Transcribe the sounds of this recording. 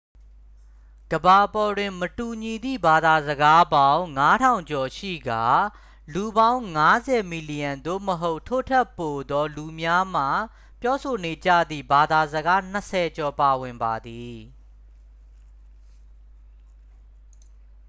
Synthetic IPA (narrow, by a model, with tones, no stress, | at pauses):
ɡ̥əba˨pɔ˨dwɪ̃˨mətu˨ɲi˨d̪ḭ˦˨ba˨d̪a˨zəɡa˦bã˦ʊ̃ŋa˦tʰã˨ʊ̃ɲt͡ɕɔ˨ʃḭ˦˨ɡa˨ | lu˨bã˦ʊ̃ŋa˦zɛ˨mi˨li˨jã˨nd̪o̰˦˨məɦo˦ʊʔtʰo̰˦˨tʰɛ˦˨pːo˨d̪ɔ˦lu˨mja˦m̥a̰˦˨ | pjɔ˦so˨ne˨d͡ʑä̰˦˨d̪ðḭ˦˨ba˨d̪a˨zəɡa˦n̥ə˨sʰɛ˨t͡ɕɔ˨pa˨wɪ̃˨mba˨d̪i˨